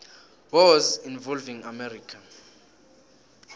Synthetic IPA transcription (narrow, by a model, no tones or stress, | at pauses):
wɔzinvɔlvĩŋamɛɾiːkʰa